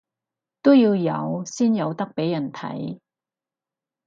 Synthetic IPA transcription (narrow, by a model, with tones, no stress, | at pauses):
t̪o˥wjiː˧wjɐ̰˨˧wsiː˥njɐ˨˧wt̪ɐ˥k̚pe˨˥jːɐ˨˩nt̪ʰɐ̰˨˥j